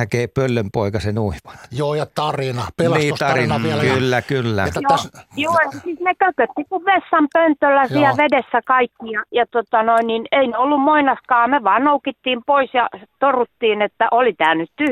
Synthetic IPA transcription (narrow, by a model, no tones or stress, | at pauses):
ækeːpølːømpoikɑsenuiʋɑ̥njoːjɑt̪ɑrinɑpelniːot̪ɑrinɑækylːækylːæ̰et̪ːjojoːesiːsnekøkːøt̪ːikuʋʋesːɑmpønt̪ølːæsiæʋedesːækɑikːijɑjɑt̪ot̪ɑnoinnineineolːummoinɑskɑːmeʋɑːnnoukit̪ːiːmpoisjɑt̪orut̪ːiːnet̪ːæʔolit̪æːnyt̪t̪yh